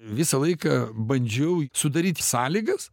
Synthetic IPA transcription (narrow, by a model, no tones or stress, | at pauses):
ʋʲɪsɐlˠɐɪkɐbɐnʲd͡ʒʲɛʊsʊd̪ɐɾʲiːt̪ʲɪsɑːlʲiːɡɐs